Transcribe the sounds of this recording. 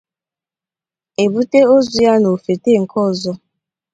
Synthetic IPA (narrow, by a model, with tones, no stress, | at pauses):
e˨bu˦te˦o˦zu˦ja˦no˨fe˨te˦˨ŋ̩˨kʰɔ˦˨zɔ˦